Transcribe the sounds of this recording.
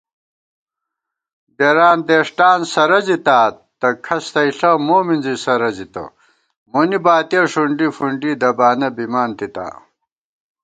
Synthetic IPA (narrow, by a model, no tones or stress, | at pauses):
deɾaːnd̪eːʂʈaːnsɐɾɐzit̪aːt̪ɐkʰɐst̪ɐiɬɐmoːminzisɐɾɐzit̪ɐ̰ | monibaːt̪ijɐʂuɳɖifuɳɖid̪ɐbaːnɐbimaːnt̪it̪a̰ː